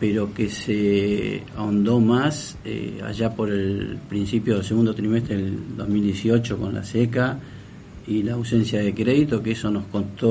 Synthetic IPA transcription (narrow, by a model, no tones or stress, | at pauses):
peɾo̞kese | a̰ond̪o̞mas | ḛa̰ʒapo̞ɾelpɾinsipjoðels̬eɣund̪ot̪ɾimest̪ɾeðeld̪ozmild̪jesiot͡ʃokõ̞nla̰seka | ilaːwsensjaðekɾeðit̪okeeso̞no̞skont̪o